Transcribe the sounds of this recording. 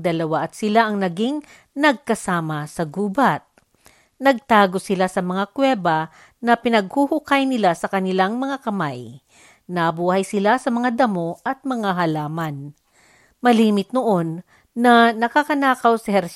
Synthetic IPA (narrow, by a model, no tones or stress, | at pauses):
d̪ɐlɐwaʔɐt̪̚sɪlaʔɐŋnɐɡiŋ | nɐɡ̚kɐsaːmɐsɐɡuːbat̪̚ | nɐɡ̚t̪aːɡo̞sɪlasɐmɐŋakwɛːba | nɐpɪnɐɡ̚huhʊkajnɪlasɐkɐnɪlaŋmɐŋakɐmaj | nɐbuːhɐjsɪlasɐmɐŋad̪ɐmoʔɐt̪̚mɐŋaɦɐlaːmɐn | mɐliːmɪt̪̚noʔonː | ɐnɐkakɐnaːkɐwsɐhɛɾs